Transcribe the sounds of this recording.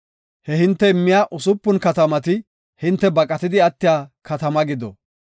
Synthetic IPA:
hɛhɪnt̪ːɛɪmːɪjaːʔʊsʊpːʊnkɐt̪ɐmɐt̪̬ɪ | hɪnt̪ːɛbɐkʼɐt̪ɪd̪ɪɐt̪ːɪjaːkɐt̪ɐmɐɡɪd̪ɔ̰

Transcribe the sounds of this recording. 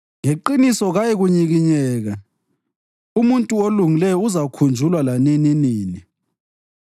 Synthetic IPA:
ŋeǃinisɔɣajeɣuɲiɣiɲɛːɣa | umuntʼuoluŋilɛjɔuzakʰund͡ʒʱulwalanininiːni

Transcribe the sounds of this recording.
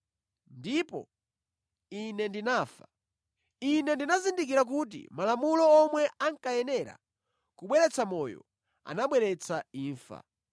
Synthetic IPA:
ndipɔ̰ | inɛndinaːfḁ | inɛndinazindik̬iɾak̬ut̬ḭmalamulɔːmwɛʔaŋkajɛnɛɾa̰ | kuɓwɛɾɛt͡samɔjɔ̰ | a̰naɓwɛɾɛt͡sʰaiːɱfa̰

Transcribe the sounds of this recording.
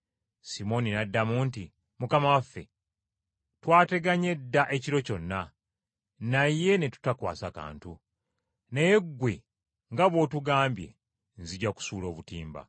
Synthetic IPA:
simo̞ninadːamuːnti | mukamawafːe̞ | twaːte̞ɡaɲe̞dːaʔe̞ciɾo̞co̞nːa | naje̞ne̞tu̥takwa̰ːsaka̰ːntu | ne̞jeɡwe̞ | ŋɡaβwo̞tuɡaːmbje̞̰ | nziɟaku̥suːlo̞ːβutiːmba̰

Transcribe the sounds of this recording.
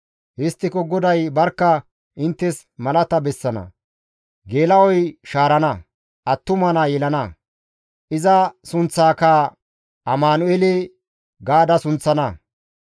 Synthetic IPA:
hɪst̪ːɪkɔɡɔd̪ɐjbɐɾkːɐ | ʔɪnt̪ːɛs | mɐlɐt̪ɐbɛsːɐnɐ̰ | ɡe̞ːlɐwɔjʃaːɾɐnɐ | ʔɐt̪ːʊmɐnɐjɛlɐnɐ | ʔɪzɐsʊnt͡sːaːkɐ | ʔɐmaːnʊele | ɡaːd̪ɐsʊnt͡sːɐnɐ

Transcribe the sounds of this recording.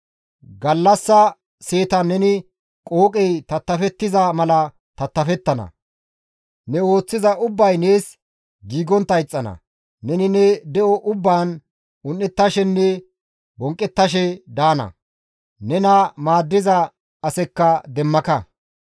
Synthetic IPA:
ɡɐlːɐsːɐ | se̞ːt̪ɐnɛnɪ | kʼo̞ːkʼɛjt̪ɐt̪ːɐfɛt̪ːɪzɐmɐlɐ | t̪ɐt̪ːɐfɛt̪ːɐnɐ̰ | nɛwo̞ːt͡sːɪzɐʊbːɐjneːs | ɡiːɡɔnt̪ːɐjt͡sʼːɐnɐ̰ | nɛnɪnɛd̪ɛʔɔʔʊbːaːn | ʊnːɛt̪ːɐʃɛnːɛ | bɔŋkʼːɛt̪ːɐʃ̬ɛd̪aːnɐ̰ | nɛnɐmaːd̪ːɪzɐ | ɐsɛkːɐd̪ɛmːɐkɐ

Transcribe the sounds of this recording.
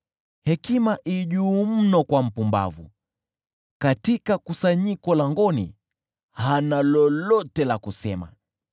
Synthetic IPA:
hɛkimaʔiʄuːm̩nɔkwam̩pumba̰vṵ | katikakusaɲikɔlaŋɡɔnḭ | hanalɔlɔtɛlakusɛma̰

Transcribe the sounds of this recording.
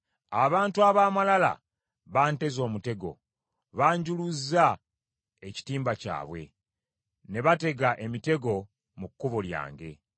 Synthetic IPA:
aβaːntuaβaːmalala̰ | βaːnte̞zo̞ːmute̞ɡo̞̰ | βaːɲɟuluza | e̞ci̥tiːmbaca̰ːβwe̞̰ | ne̞βate̞ɡaʔe̞mite̞ɡo̞ | mukːuβolja̰ːŋɡe̞̰

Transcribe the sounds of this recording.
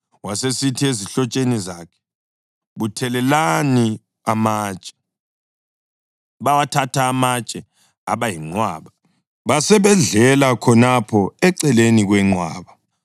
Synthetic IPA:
wasesitʰieziɬɔt͡ʃʼenizakʰɛ̥ | βutʰɛlɛlani | amaːt͡ʃʼɛ̥ | βawatʰatʰaːmat͡ʃʼɛ | a̰βajiŋ͡ǀwa̰ːβa | βasɛβɛɮɛlakʰɔnapʰɔɛǀɛleniɣwɛŋ͡ǀwa̰ːβa

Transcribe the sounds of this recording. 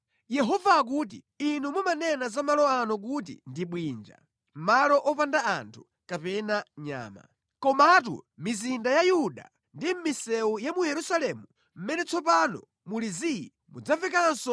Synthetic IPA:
jɛɦɔvaːk̬ut̬ḭ | inumumanɛnazamalɔanɔk̬utḭndiɓwind͡ʒa̰ | malɔʔɔpandaantʰu̥ | kapɛnaɲa̰ːma̰ | kɔmat̬ṵmizindajajuɗa̰ | ndim̩misɛujamujɛɾusalɛmu | m̩mɛnɛt͡sʰɔpanɔ̰ | muliziji | mṵd͡zavɛk̬ansɔ

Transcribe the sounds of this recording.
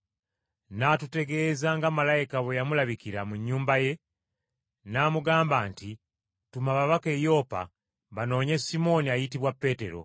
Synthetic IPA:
naːtute̞ɡe̞ːzaŋɡamalajikaβejamulaβikiɾamuɲːuːmbaje̞ | naːmuɡaːmbaːnti | tumaβaβake̞jo̞ːpa̰ | βano̞ːɲe̞simo̞niajitiβwapːe̞te̞ɾo̞̰

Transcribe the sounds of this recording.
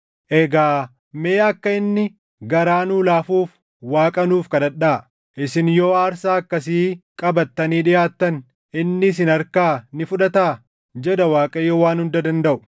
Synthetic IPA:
ʔɛɡaː | meːɐkːɐɪnːɪ | ɡɐɾaːnuːlaːfuːf | waːkʼɐnuːfkɐᶑɐᶑːa | ʔɪsɪnjoːaːɾsaːɐkːɐsiːkʼɐbɐt̪ːɐniːᶑɪjaːt̪ːɐn | ʔɪnːɪs̬ɪnɐɾkaːnɪfʊᶑɐt̪aː | d͡ʒɛd̪ɐwaːkʼɐjoːwaːnhʊnd̪ɐd̪ɐnd̪ɐʔʊ̥

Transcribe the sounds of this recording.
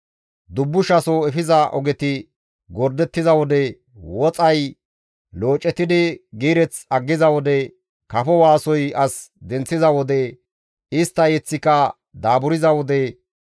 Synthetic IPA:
d̪ʊbːʊʃɐsɔɛfɪzɐʔɔ̰ɡɛt̪ɪ | ɡɔɾd̪ɛt̪ːɪzɐwɔd̪ɛ | wɔt͡sʼɐj | lo̞ːt͡ʃʼːɛt̪ːɪd̪ɪɡiːɾɛt͡sɐɡːɪzɐwɔd̪ɛ | kɐfɔwaːsɔjɐsd̪ɛnt͡sːɪzɐwɔd̪ɛ | ɪst̪ːɐjɛt͡sːɪkɐ | d̪aːbʊɾɪzɐwɔd̪ɛ

